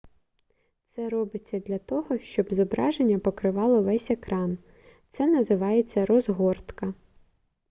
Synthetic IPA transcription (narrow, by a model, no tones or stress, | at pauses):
t̪sɛɾɔbɪt͡sʲːɐd̪lʲɐt̪ɔɦɔʃt͡ʃɔbzɔbɾɑʒenʲːɐpɔkɾɪʋɑlˠɔʋɛsʲekɾɑn | t̪sɛnɐzɪʋɑjet͡sʲːɐɾɔzɦɔrt̪kɐ